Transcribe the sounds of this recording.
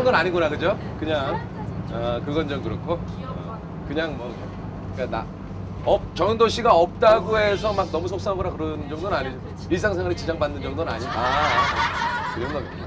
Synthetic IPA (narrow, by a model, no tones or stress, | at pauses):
ŋdonaɲiɡunakɯd͡ʑokɯɲaŋ | ʌkɯɡʌnd͡ʑʌmkɯɾʌkʰo | ʌ | kɯɲaŋmʌ | k͈ana̰ | ʌp̚t͡ɕʌŋdoɕ͈ʰiɡaʌp̚t͈aɡoe̞sʰʌmak̚nʌmusʰok̚s͈aŋaɡʌnakɯɾʌnd͡ʑʌŋdonɯnaɲid͡ʑo | iɭs̬͈aŋsʰeŋwaɾit͡ɕid͡ʑaŋbanːɯnd͡ʑʌŋdonɯna̰ɲida | kɯɾʌnɡʌɡi